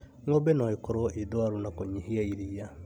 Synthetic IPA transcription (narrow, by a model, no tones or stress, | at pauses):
ŋobɛnɔikoɾoʔedoaɾunakoɲiɦiaiɾia